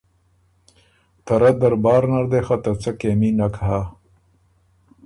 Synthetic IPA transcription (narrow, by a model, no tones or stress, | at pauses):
t̪ɐɾɐd̪ɐɾbɑːɾnɐɾd̪exɐt̪ɐt͡sɐkeːminɐkɦa